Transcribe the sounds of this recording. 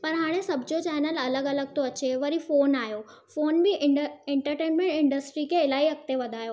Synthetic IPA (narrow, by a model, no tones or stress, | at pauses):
pɐɾɦaːɽ̃esɐbʱɪd͡ʑot͡ɕɛːnəlɐləɡɐləɡ̚t̪oɐt͡ɕeʋɐɾifoːnaːjo | foːnbɪẽɳʈəɾʈeːnmẽɳʈɪ̃ɳɖəsʈɾikʰeɪlaːɦiɐk̚t̪eʋɐd̪ʱaːjo